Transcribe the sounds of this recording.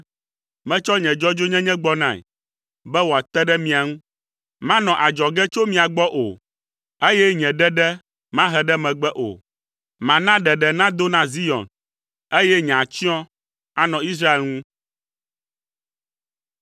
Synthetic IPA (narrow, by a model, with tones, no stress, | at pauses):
mɛ̃˦t͡ʃɔ˦ɲɛ̃˨d͡ʒɔ˦d͡ʒo˦ɲɛ̃˦ɲɛ̃˦ɡ͡bɔ˦nã̰˦˨ɛ̰˨ | bɛ˦wo˨a˨t̪ɛ˦ɖɛ˦mĩ˨a˨ŋũ˦ | mã˦nɔ̃˨ʔa˨d͡ʒɔ˨ɡɛ˦t͡ʃo˦mĩ˨a˨ɡ͡bɔ˦ʔo̰˨ | e˦jɛ˦ɲɛ̃˨ɖɛ˦ɖɛ˦ | mã˦ɦɛ˨ɖɛ˦mɛ̃˨ɡ͡bɛ˦ʔo̰˨ | mã˨nã˦ɖɛ˨ɖɛ˨nã˦d̪o˦nã˦zi˦jɔ̰˨n | e˦jɛ˦ɲɛ̃˨a˨t͡ɕi˦ɔ̃˦ | a˨nɔ̃˨i˦s̬ɾa˦e˨lŋũ˦